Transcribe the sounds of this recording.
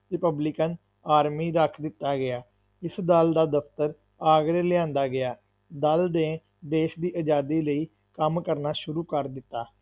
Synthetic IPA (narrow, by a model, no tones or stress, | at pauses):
ɾɪpəblɪkən | aːɾmiːɾəkʰd̪ɪt̪ːaːɡɪaː | ɪsd̪əld̪aːd̪əpt̪əɾ | aːɡɾeːlɪãːnd̪aːɡɪaː | d̪əld̪ẽː | d̪eːʃd̪iːʔəd͡ʒaːd̪iːləiː | kəmkəɾnaːʃʊɾuːkəɾd̪ɪt̪ːaː